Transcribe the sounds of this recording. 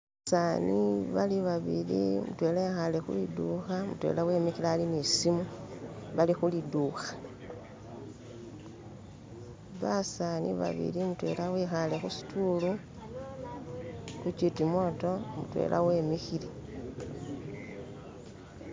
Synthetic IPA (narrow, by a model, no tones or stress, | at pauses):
asaniβaliβaβḭlḭmṵtwelexalexṵliduxamutwe̞̰ːlawe̞ːmixilaːlinisimuβalixuliduxḁ | βasanḭβa̰βḭlimutwe̞̰lawexalexusi̥tʰulu | xut͡ʃitimo̞to̞mṵtwḛlʔa̰we̞mixile